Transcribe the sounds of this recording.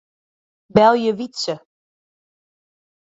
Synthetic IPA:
bɛlˠjəʋitsə

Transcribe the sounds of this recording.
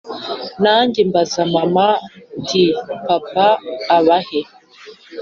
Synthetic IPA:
naːndimbazamamandipapaːβahe

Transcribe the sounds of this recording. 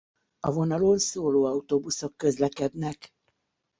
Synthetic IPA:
ɒvo̞nɒlo̞nsoːloːɒut̪obuso̞kːø̞zlɛkɛd̪nɛk

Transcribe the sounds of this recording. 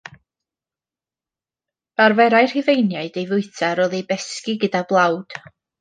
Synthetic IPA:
b̥arvɛɾajr̥hɪvejnjaɨdejvʊɨtʰaɾɔðijbɛskɪɡədablˠawd̥

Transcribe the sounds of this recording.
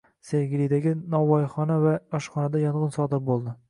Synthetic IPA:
seɾɡʲlid̪aɡʲɪnɒwɒjχɒnavaɒʃχɒnad̪ajɒɴʁɨnsɒd̪ɪɾbolˠd̪ɪ

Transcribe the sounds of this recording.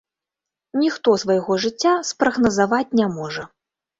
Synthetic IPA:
nʲixt̪ɔsvɐjɣɔʐɨt͡sʲːaspɾɐɣnɐzavat͡sʲnʲamɔʐɐ

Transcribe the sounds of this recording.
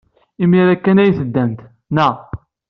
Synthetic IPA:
imiɾækːænæjθəd̪ːænt̪ | næ

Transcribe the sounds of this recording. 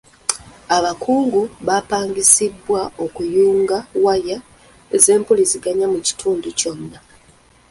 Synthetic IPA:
aβakuːŋɡuβapaːŋɡisibːwao̞kujuːŋɡawaja | eze̞ːmpuliziɡaɲamuci̥tʰuːnduco̞nːa

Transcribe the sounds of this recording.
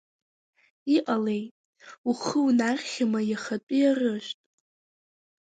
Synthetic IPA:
iqʼale̞jtʼ | uχəwunarʲχʲamajaχat͡pʼijarɨʃʷᶣtʼ

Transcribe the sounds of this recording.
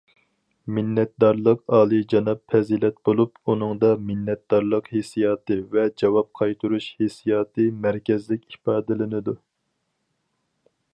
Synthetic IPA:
mɪnːɛt̪̚d̪ɑɾlˠəqɑːlˠɨd͡ʒɑnɑpfɛzilɛt̪̚bolˠupunɨŋd̪ɑmɪnːɛt̪̚d̪ɑɾlˠəqhesijɑːt̪ɨvɛd͡ʒɑwɑp̚qʰɑjt̪ʰuɾuʃhesijɑːt̪ɨmɛɾkʲɛzlɪkʲipɑːd̪ɪlɪnɪd̪u

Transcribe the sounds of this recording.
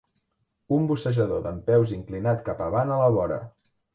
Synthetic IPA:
umbusəʒəðoðəmpɛwziŋklinat̪kapəβ̞anələβɔɾə̰

